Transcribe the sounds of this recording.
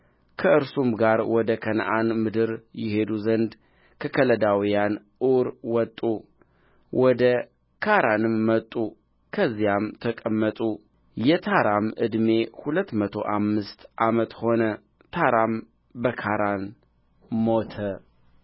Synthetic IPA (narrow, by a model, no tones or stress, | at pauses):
kʰəɨɾsumɡaɾwɔd̪əkʰən̰ʔanmɨd̪ɨɾjɪhe̞d̪uzənd̪ | kʰəkʰələd̪awijanʔɨwɾwɔt̪ʼːu | wʔɔd̪ə | kʰaɾanɨmːət̪ʼu | kʰəzːijamt̪ʰəkʼəmːət̪ʼu | jɛt̪ʰaɾamʔɨ̰d̪me̞hulət̪ːmət̪ʰo̞̰ʔamːɨst̪ʔamət̪ho̞nə | t̪ʰaɾam | bəkʰaɾan | mo̞t̪ʰə